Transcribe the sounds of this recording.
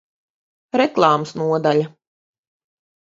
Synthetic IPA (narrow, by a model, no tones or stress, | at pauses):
ɾɛklˠɑːmsnuɔd̪alʲa